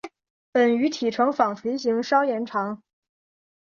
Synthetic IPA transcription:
pə˨˩ny˧˥t̪ʰi˨˩ʈ͡ʂʰɤ˧˥ŋfɑ˨˩ŋt͡sʰi˧˥ɕ̬i˧˥ŋʂɑ˥ʊjɛ˧˥nʈ͡ʂʰɑ˧˥ŋ

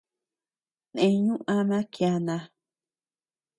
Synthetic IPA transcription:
nẽ˧ɲũ˦ʔã˦nã˦kja˧nã˧

